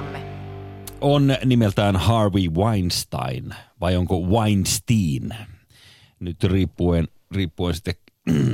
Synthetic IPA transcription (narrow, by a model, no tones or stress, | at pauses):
ʔonnimelt̪æːnhɑrʋiʋɑinst̪ɑ̰inʋɑjoŋkoʋɑinst̪iːn | nyt̪riːpːuen | riːpːuensi̥t̪ːek